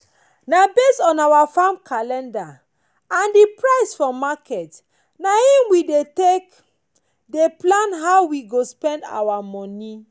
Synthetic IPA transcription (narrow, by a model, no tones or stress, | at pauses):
nabestɔ̃nawafãmkʰalɛ̃nda | ãndipɹaɪsfɔmakʰɛt | nahĩmwidetek | deplãnɦaʊwiɡospɛ̃nda̰wamɔni